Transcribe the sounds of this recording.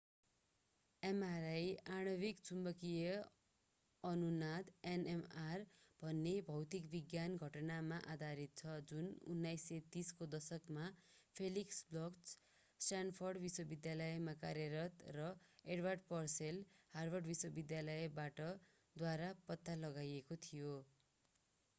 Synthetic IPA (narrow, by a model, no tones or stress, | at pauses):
emaɾajaɽ̃ʌbikt͡sʰumbʌkijʌ | ʌnunad̪enemarb̥ʱʌnːebʱʌwt̪ikbiɡjanɡʱʌʈʌnamaʔad̪ʱaɾit̪̚t͡sʰʌd͡zunṵnːajset̪iskod̪ʌsʌkmapʰeliksblʌks | sʈanpʰʌrɖbiswʌbid̪jalʌjmakaɾjʌɾʌt̪rʌeɽwarɖpʌrselharbʱʌrɖbiswʌbid̪jalʌjbaʈʌ | d̪waɾapʌt̪ːalʌɡajekot̪ʰijo